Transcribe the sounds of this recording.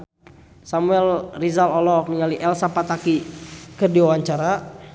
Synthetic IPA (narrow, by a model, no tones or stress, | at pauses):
samuɛlrizalɔlɔk̚niŋaliʔɛlsapat̪akikərdiwawaɲt͡ʃaɾa